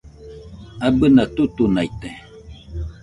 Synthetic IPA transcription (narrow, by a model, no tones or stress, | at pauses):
abənatutunajtɛ